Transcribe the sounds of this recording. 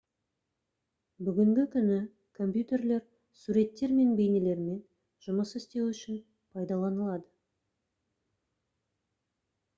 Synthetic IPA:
bʏɡʲɪŋɡʲɪkʲʰʏnɪ | kʰo̞mpjut̪e̞rle̞ɾ | suɾe̞t̪ːe̞ɾme̞nbe̞jnele̞ɾme̞n | ʒ̥ʊməsɪst̪e̞wʏʃɪn | pʰɑjd̪ɑlˠɑnəlˠɑd̪ə

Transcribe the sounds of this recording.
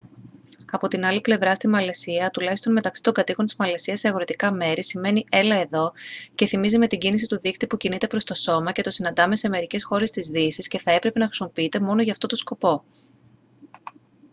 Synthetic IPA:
ɐpo̞t̪inɐliple̞vɾɐst̪imɐle̞siɐt̪ulɐçist̪o̞nme̞t̪ɐksi̥t̪o̞ŋɡɐt̪iko̞nt̪i̥zmɐle̞siɐse̞ɐɣo̞ɾit̪ikɐme̞ɾisime̞niʔe̞lɐe̞ðo̞ce̞θimizime̞t̪iɟinis̬it̪uðikt̪ipucinit̪e̞pɾo̞st̪o̞so̞mɐce̞t̪o̞sinɐnd̪ɐme̞seme̞ɾice̞sxo̞ɾe̞st̪izðisisce̞θɐepɾe̞pe̞nɐxɾi̥simo̞piit̪e̞mo̞noʝɐːft̪o̞t̪o̞sko̞po̞

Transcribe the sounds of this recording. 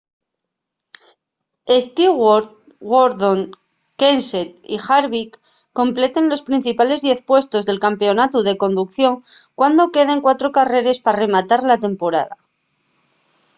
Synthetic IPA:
est̪i | ɣoɾðo̞ŋ | kenset̪ḭxaɾβikː | o̞mple̞t̪e̞nlo̞spɾin̟θipale̞zðje̞θpwe̞st̪o̞zðe̞lkampe̞onat̪uðe̞ko̞nd̪uk̚θjo̞ŋkwand̪o̞ke̞ð̞eŋkwat̪ɾo̞kare̞ɾe̞spare̞mat̪aɾlat̪e̞mpo̞ɾaða

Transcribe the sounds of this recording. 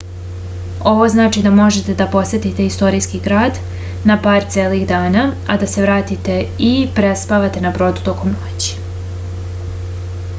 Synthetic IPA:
o̞ʋo̞znaːt͡ʃid̪amo̞ʒe̞t̪e̞d̪apo̞sʋe̞t̪it̪e̞ist̪o̞ɾiskiɡɾaːd̪ | napaːɾt̪sʲeːliɣd̪aːnaa̰d̪ase̞ʋɾaːt̪it̪e̞ipɾe̞spaʋat̪e̞nabɾo̞ːd̪ut̪o̞ko̞mnot͡ɕi̥

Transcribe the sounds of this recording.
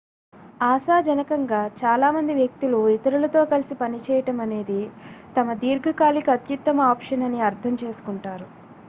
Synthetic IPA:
aːsaːd͡ʒɐnɐkɐŋɡaːt͡ʃaːlaːmɐnd̪iʋjɐk̚t̪iluit̪ɐɾulɐt̪o̞ːkɐlisipɐnit͡ʃɛːjɐʈɐmɐne̞ːd̪it̪ɐmɐd̪iːɾɡɐkaːlikɐɐt̪jut̪ːɐmɐaːpʂɐnɐniɐɾt̪ʰɐmt͡ʃe̞ːsu̥kuɳʈaːɾu

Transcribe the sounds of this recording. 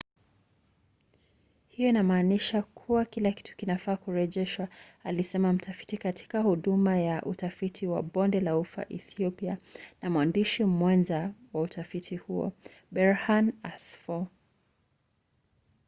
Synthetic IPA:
hijɔinamaːniʃakʰuwakilaki̥tʰu̥kinafaːkuɾɛʄɛʃwaalisɛmam̩tafi̥tikatʰi̥kahuɗumajaʔutafitʰiwa̰ɓɔndɛlaufa̰ʔiθiɔpianamuwandiʃimwanzawautʰafitʰihuɔ̰ | ɓɛɹhanasfɔ

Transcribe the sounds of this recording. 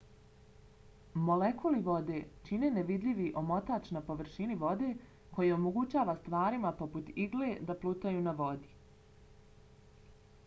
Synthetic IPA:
mo̞lekuliʋo̞d̪e̞t͡ʃine̞neʋid̪ʎʲiʋiʔo̞mo̞t̪at͡ʃnapo̞ʋr̩ʃiniʋo̞d̪e̞ | ko̞jeo̞mo̞ɡut͡ɕaːʋast̪ʋaːɾimapo̞put̪iɡle̞d̪aplˠuːt̪ajuːnaʋo̞d̪i̥

